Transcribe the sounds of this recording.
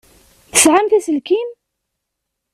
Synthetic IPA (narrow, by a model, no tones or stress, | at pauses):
θə̥sʕamθæsəlkin